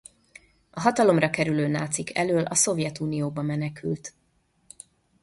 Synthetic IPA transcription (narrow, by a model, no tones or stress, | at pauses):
ɒɦɒt̪ɒlo̞mrɒkɛɾyløːnaːt̪sikʰɛ̰løːlʔɒso̞vjɛt̪uːnijoːbɒmɛnɛkʰylt̪